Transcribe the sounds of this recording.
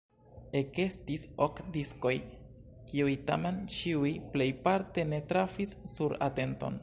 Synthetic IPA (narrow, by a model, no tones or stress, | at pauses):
e̞ke̞stisokdisko̞j | kiujta̰me̞nt͡ʃiujple̞jpaɾte̞ne̞tɾafisːuɾa̰te̞nto̞̰n